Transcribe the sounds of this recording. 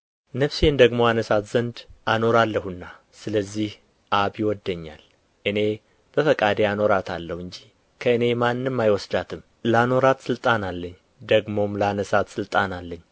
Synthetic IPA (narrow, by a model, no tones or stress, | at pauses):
nəfsend̪əɡmo̞anəsat̪z̥ənd̪ʔano̞ɾalːəhunːa | sɨləzːih | ʔaβjɪwɔd̪ːəɲːa̰l | ʔɨne̞ | b̥əfəkʼad̪eano̞ɾat̪ʰalːəhɨɲd͡ʒi | kʰəɨne̞manːɨmːajwɔsd̪at̪ʰɨm | ləano̞ɾat̪sɨlt̪ʼanalːəɲː | d̪əɡmo̞mləanəsat̪sɨlt̪ʼanalːəɲː